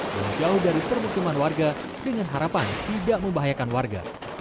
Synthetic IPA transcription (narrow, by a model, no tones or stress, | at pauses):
daŋd͡ʒauhdaɾipərbuk̪umanwarɡa | dəŋanɦaɾapant̪idaʔməmbaɦajakanwarɡa̰